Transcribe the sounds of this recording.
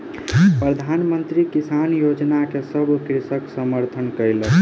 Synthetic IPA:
pɾəd̪ʱanmənt̪ɾikisanjod͡ʒnakesəbkɾisəksəməɾt̪ʰənkəjlə

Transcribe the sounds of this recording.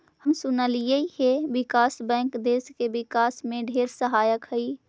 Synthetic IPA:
həmsʊnəlijəiɦeʋɪkaːsbɛ̃ːŋkd̪eːskeʋɪkaːsmẽɖʱeːɾsəɦaːjəkɦəi

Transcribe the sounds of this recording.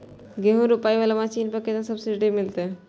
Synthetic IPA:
ɡeɦõɾʊpaːiʋaːlamasiːnpɐɾket̪ãsɐbsɪɖimɪlt̪e

